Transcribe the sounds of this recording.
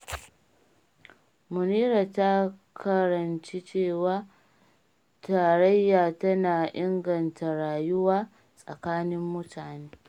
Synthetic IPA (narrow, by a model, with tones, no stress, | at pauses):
mʊ˨niː˦ɾa˨ta˦kʰɐ˨ɾɐ˨nt͡ʃi˦t͡ʃeː˦˨waː˦ | taː˨ɾɐ˦jːaː˨tɐ˦naː˨ʔɪ˦ŋɡɐ˨ntʰa˨ɽaː˨jʊ˦waː˦ | sʼɐ̰˨kaː˦nɪ˦mːʊ˦tʰaː˨neː˦